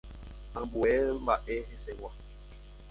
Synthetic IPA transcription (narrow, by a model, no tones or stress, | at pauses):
ambuɛm̩baʔɛhɛsɛwa